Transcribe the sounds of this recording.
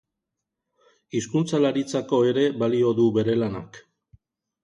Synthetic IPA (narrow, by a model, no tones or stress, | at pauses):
iskunt͡salaɾit͡sako̞e̞ɾe̞βalio̞ðuβe̞ɾe̞lana̰k